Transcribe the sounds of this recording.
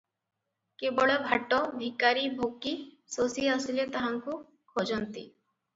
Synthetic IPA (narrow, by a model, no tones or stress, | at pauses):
kebɔɭɔbʱaʈːɔbʱikaɾibʱoki | sosiəsilet̪aɦaŋku | kʰod͡ʒɔnt̪ḭ